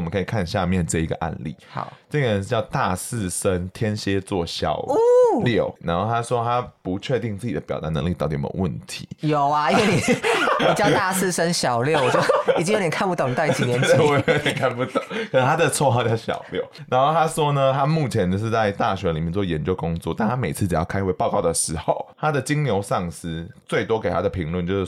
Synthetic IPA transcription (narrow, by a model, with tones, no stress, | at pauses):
mə˦ŋkʰi˨˩kʰa˥˧nɕja˥˧mjɛ˥˨nʈ͡ʂɤ˥˩i˧˥ɡə̰˧˩ʔa̰˥˧nlḭ˥˩ɑ̰˨˩˦ʈ͡ʂə˥˧˩ɡə˨ə˧˦nʂ̩˥˩t͡ɕjɑ˥˧ʊt̪a˥˧sɹ̩˥˩ʂə˦nt̪ʰjɛ˥nɕjɛ˥t͡swɔ˥˩ɕjɑ̰˨˩ʊljo˥˨˩ʊna̰˧˥nxo˥˩ʊt̪ʰa˥ʂwɔ˥t̪ʰa˥pu˨˧˦t͡ɕʰɥɛ˥˧t̪i˥˧ŋt͡sɹ̩˥˩t͡ɕi˨˩d̪ə˦pjɑ˨˩ʊt̪a˧˥nə˧ŋli˥˧tɑ˥˩t̪ḭ˩˨˩wə˥˩nt̪ʰḭ˧˦jo˨˩ʊa˧i˥nwe˥˩i˨˩i˨˩t͡ɕjɑ˥t̪a˥˧sʰɹ̩˥˧˩ʂə˥nɕjɑ˨˩ʊljo˥˨ʊwɔ˨˩t͡ɕɛ˥˨t͡ɕi˥ŋj̪jɛ˨˩kʰa˥˧npu˧t̪o˨˩ni˨˩t̪a˥˧˥t͡ɕi˨˩njɛ˧˦˥wd̪jɛ˨˩kʰa˥˧npu˧t̪o˨˦kʰə˩ʂ̩˥˩t̪ʰa˥d̪ə˨t͡sʰwɔ˥˧xɑ˥˧ʊt͡ɕjɑ˥˧˩ʊɕjɑ̰˨˩ʊljɔ˥˩ʊna˧˥nxo˥˩ʊa˦˥ʂwɔ˥nə˧t̪ʰa˦mu˥˨˩t͡ɕʰjɛ˧˥nt͡ɕjo˥˧ʊʂ̬ɻ̩˥˧t͡sa˥˧ɪt̪a˥˨˩ɕɥɛ˧˥li˨˩mjɛ˥˧nt͡swɔ˥˩jɛ˧˥nt͡ɕjo˥˧ʊkʊ˥ŋt͡swɔ̰˥˨t̪a˥˩nt̪a˥me˨˩ɪt͡sʰɹ̩˥˩t͡si˨˩jɑ̰˥˩kʰa˥ɪxwe˥˧ɪpɑ˥˧ʊkɑ˥˩ʊd̪ə˩ʂɻ̩˧˥xo˥˨˩ʊt̪ʰa˦˥d̪ə˨t͡ɕi˥ŋljo˧˥ʊʂɑ˥˩ŋsɹ̩˥t͡swe˥˩ɪt̪wɔ˥ke˨˩ɪt̪ʰa˥d̪ə˨pʰi˧˥ŋlwə˥˧˨nt͡ɕjo˥˧ʊʂɻ̩˥˩